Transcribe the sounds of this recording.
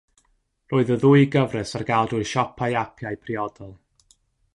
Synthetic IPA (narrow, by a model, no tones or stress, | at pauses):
rʔoːɨðəðuɨɡəvrɛsarɡalˠduɨʃɔpʰajapʰjaɨjpʰriɔd̥ɔlˠ